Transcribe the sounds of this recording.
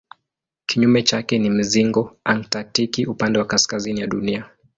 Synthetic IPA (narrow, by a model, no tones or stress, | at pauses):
kiɲumɛt͡ʃakɛnim̩ziŋɡɔaŋtatikiupandɛwakaskazinijaɗunia